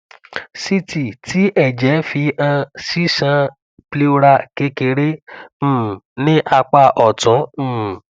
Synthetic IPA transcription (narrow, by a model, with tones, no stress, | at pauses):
si˦ti˨tʰi˨˦ʔɛ˦˨d͡ʒɛ˨˦fi˧ã˧si˦sã˧ | ple˦˧ɾa˦˨ke˨˦ke˧ɾẽ˦˨ | nĩ˦ʔa˧k͡pa˧ʔɔ˨tũ˨˦˨